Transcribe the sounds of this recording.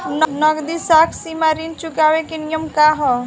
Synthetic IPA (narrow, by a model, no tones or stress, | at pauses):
nnʌɡd̪isakʰsimaɾint͡ʃukawekenijəmkaɦɔ